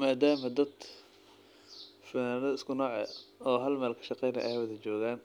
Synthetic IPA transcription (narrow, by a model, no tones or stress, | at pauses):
maːd̪aːmɐd̪ɐd̪ | fɐnaːnɐðɐɪskʰʊnɔːʕɛ̰ɔːɦɐlmaːlkʰɐ̥ʃɑqɛjnɐ̰ʔɐ̰hwɐðɐt͡ʃɔːɣaːn